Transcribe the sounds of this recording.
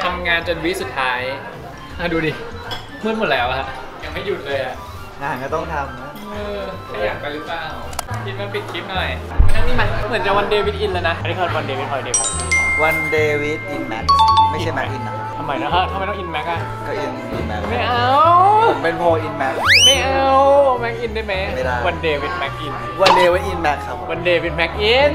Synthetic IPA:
t̪ʰa˧mŋaː˧nt͡ɕo˧nwi˦˥su˨˩t̪ʰːaː˦˥j | a˧˩duː˧diː˧ | mɯ˧˥nmo˨˩t̚lɛː˦wla˧ha˦˥ʔ | jaː˨˩k̚ma˥˩ju˨˩t̪̚lɤː˧jʔa˨˩ʔ | ʔaː˧˩kɔː˥˩t̪ɔ˥˩ŋt̪ʰa˧m | ɤː˧˥˩ | jaː˨˩k̚pa˧jlɯ˦˥plaː˨˩w | kʰi˦˥t̪̚waː˥˩pi˨˩t̪̚kʰi˦˥p̪̚nɔ˧˩j | ʔʰaː˧˩nːiː˦˥ma˦˥˧mɯ˨˩˦nt͡ɕa˨˩kwa˧ndeː˧wi˦˥t̪̚ʔi˧nlɤː˧jna˦˥ʔa˧na˥˦˥kʰːwa˧ndeː˧wi˦˥t̪̚hʰɔ˧˩deː˧˩wi˦˩wa˧ndeː˧wi˦˥t̪̚ʔi˧nmɛ̰˦˥k̚ma˥˩i˨a˥˩jmɛ˦˥k̚ʔi˧˩na˧˦˩t̪ʰa˧mːa˦˥jna˦˥kʰa˦˥˩t̪ʰa˧m˧˦jt̪ɔ˥ŋʔi˧nmɛ˦˥k̚ʔa˧˩ | kʰa˧˩ʔi˧n˧ʔḭ˧nmɛ˦˥k̚ma˥˩jʔa˧wpe˧npʰoː˧ʔi˧nmɛ˦˥k̚ma˥˩jʔa˧wwɔ˧mɛ˦˥k̚ʔi˧ndaː˥˩jma˦˥jm˧˨aː˧˩wa˧ndeː˧wi˦t̪̚mɛ˦˥k̚ʔi˧˩n | wa˧ndeː˧wa˦jʔi˧nmɛ˦˥k̚kʰa˦˥p̚wa˧ndeː˧wi˧˦t̪̚mɛ˦˥k̚ʔi˧n

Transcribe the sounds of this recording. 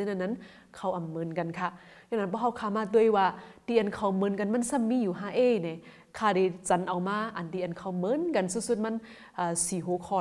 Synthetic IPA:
ɨ˧˨na˧˨nːa˧˥˨n | kʰa˧˩wʔa˨˩mːɤː˨˧˨nka˨nkʰa˧ɲa˧˨nːa˧nbʰɔː˧˦ɦa˧˩wkʰaː˧˩maː˧t̪u˧˨ə˨jwaː˧˩diː˧˨ʔa˨nkʰa˧˩mɤː˧˦˨nka˨nma˧˥˨nsa˧˨mːiː˧˨juː˨˩ɦaː˧˥ʔeː˧˨nɛ˨˦ | kʰaː˧˩da˧˨˩jt͡ɕa˨˦nʔa˨wmaː˧˩ʔa˨ndiː˧˨ʔa˨nkʰa˧˩wmɤː˧˥˨nka˨nsu˧˦su˧t̪̚ma˧˥˨n | ʔaː˨˧˩siː˨˦ɦoː˧˦kʰɔː˧

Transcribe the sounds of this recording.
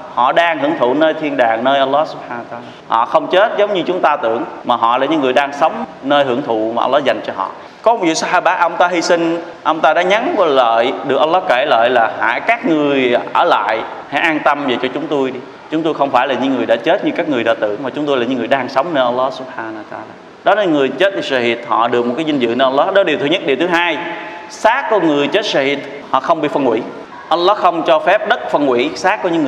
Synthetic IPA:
hɔ̰˧˨ɗaː˧ŋhɨ˧˩əŋt̪ʰṵ˧˨nəː˧jt̪ʰi˧ənɗaː˨˩ŋnəː˧jʔə˧wlːɔ˦su̥˦p̚ħaː˧nwə˧t̪aː˧la˧˩hɔ̰˧˨xə˧wŋ͡mt͡ɕe˦˥t̚zə˨˦wŋ͡mɲɨ˧t͡ɕʊ˨˦ŋ͡mt̪aː˧t̪ɨ˧˩˨əŋmaː˨˩ɦɔ̰˧˨laː˨˩ɲɨ̰˧˥ŋɨ˨˩əjɗaː˧ŋsə˨˦wŋ͡mnəː˧jhɨ˧˩əŋt̪ʰṵ˧˨maː˨˩ʔə˧wlːɔ˦˥za˨˩jŋ̟t͡ɕɔ˧ɦɔ̰˧˨ | kɔ˨˦m˩vḭ˧˨sa˧haː˧ɓaː˧˩tʔə˧wŋ͡mt̪aː˧ɦi˧sï˧ŋ̟ | ʔə˧wŋ͡mt̪aː˧ɗa̰ː˧˥ɲa˨˦ŋkɔ˨˦lə̰ː˧˨jɗɨ˨˩ək̚ʔwlːɔ˦˥ke˧˩lə̰ː˧˨jlaː˨˩ha̰ː˧˩˦jkaː˦˥k̚ŋɨ˨˩əəjʔəː˧˩la̰ː˧˨jha̰˧˩˦ʔaː˧nt̪ə˧mvəː˨˩jt͡ɕɔ˧t͡ɕʊ˨˦ŋ͡mt̪o˧jɗi˧ | t͡ɕʊ˨˦ŋ͡mt̪o˧jxə˧wŋ͡mfaː˧˩jlaː˨˩ɲɨ̰˧˥ŋɨ˨˩əjɗa̰ː˧˥t͡ɕe˦˥t̚ɲɨ˧kaː˦˥k̚ŋɨ˨˩əjɗa̰ː˧˨˩t̪ɨ̰˧˨əŋmaː˨˩t͡ɕʊ˨˦ŋ͡mt̪jla˨˩ɲɨ̰˧˦ŋɨ˨˩əjɗaː˧ŋsə˨˦wŋ͡mnə˧ʔə˧wlːɔ˦˥su˦˥p̚ħaː˧n˧wt̪a˧aː˧laː˧˩ | ɗɔ˨˦ne˧nŋɨ˨˩əjt͡ɕe˦˥t̚t̪i˨˩a˧˩hi˨˩t̪̚hɔ̰˧˨ɗɨ˨˩k̚o˨˩t̚kaː˨˦jzi˧nzɨ̰˧˨n˧ʔə˧lːɔ˦˥ɗɔ˨˦ɗi˨˩wt̪ʰːɲ˦ə˦˥t̚ɗi˨˩t̪ʰɨ˨˦ɦaː˧j | saː˦˥kːɔ˨˦ŋɨ˨˩əjt͡ɕe˦˥t̚ʂa˧˩hi˨˩t̪̚ | hɔ̰˧˨xə˧wŋ͡mɓḭ˧˨fə˧nkwḭ˧˥ | ʔə˧lːɔ˦˥xə˧wŋ͡mt͡ɕɔ˧fɛ˦˥p̚ɗə˦˥t̚fə˧nkwḭ˧˩˥saː˦˥kːɔ˨˧˦ɲɨ̰˧˥ŋɨ˨

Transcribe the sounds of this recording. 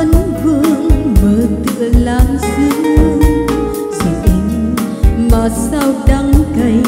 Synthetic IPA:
nvɨ˧əŋvəː˨˦t̪ɨ̰˧˨əlaː˨˩msi˧˦l | si˨˩ʔɛ˧˦m | maː˨˩sa˧wɗa˧ŋkə˧˩j

